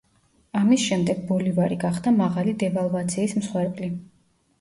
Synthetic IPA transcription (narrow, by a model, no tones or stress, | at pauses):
amisʃɛmd̪ɛɡ̚bɔlivaɾiɡaχd̪amaʁalid̪ɛvalˠvat̪sʰiːsmsχwɛɾpʼli